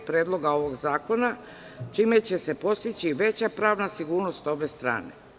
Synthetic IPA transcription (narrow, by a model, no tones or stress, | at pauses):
pɾeːd̪lˠo̞ɡao̞ʋo̞ɡzaːko̞na | t͡ʃime̞t͡ɕe̞se̞po̞st̪it͡ɕiʋe̞t͡ɕapɾaːʋnasiɡuːɾnost̪o̞be̞st̪ɾa̰ːne̞̰